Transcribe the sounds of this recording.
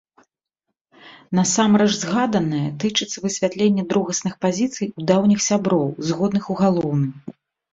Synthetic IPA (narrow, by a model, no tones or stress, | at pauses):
nɐsamɾɐʐzɣad̪ɐnɨjɛt̪ɨt͡ʂɨt̪sːɐvɨsʲvʲat̪lʲenʲːɛd̪ɾuɣɐsnɨxpazʲit̪sɨjud̪awnʲixsʲabɾɔwzɣɔd̪nɨxuɣalˠɔwnɨm